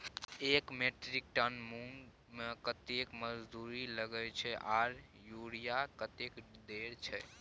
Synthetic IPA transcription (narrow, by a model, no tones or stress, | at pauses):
ekmeʈɾik̚ʈənmun | mekət̪ekməd͡ʒd̪uɾiləɡɛt͡ʃʰɛʔaɾ | juɽijakət̪ekd̪eɾt͡ʃʰɛ